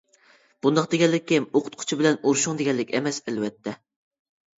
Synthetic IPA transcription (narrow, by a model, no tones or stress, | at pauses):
b̥und̪ɑχqd̪eɡʲɛlːɪk̚ʲːɪmoqʰʊ̥t̪̚qʰʊ̥t͡ʃʰibɪlɛnoɾʃʊŋd̪eɡʲɛlːɪkʲɛmɛsɛlwɛt̪ʰːɛ